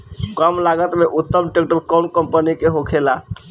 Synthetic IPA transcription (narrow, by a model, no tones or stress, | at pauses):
kəmlaɡət̪meʔut̪ːəmʈek̚ʈəɾkɔnkəmpənikeɦokʰela